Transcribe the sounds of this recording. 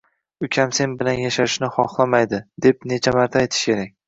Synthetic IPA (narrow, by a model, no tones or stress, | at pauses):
ʊkʲʰamse̞nbɪlanjaʃaɪʃnɪχɒχlˠamajd̪ɪd̪e̞p̚ne̞t͡ʃʰamaɾt̪ʰaːjt̪ʰɪ̥ʃkʲʰe̞ɾak̚ʲ